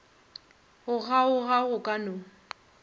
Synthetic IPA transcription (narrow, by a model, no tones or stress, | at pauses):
ɣʊɣaʊɣaɣʊkʼano